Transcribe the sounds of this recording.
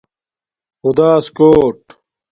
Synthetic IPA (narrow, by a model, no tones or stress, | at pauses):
xud̪aːskoːʈ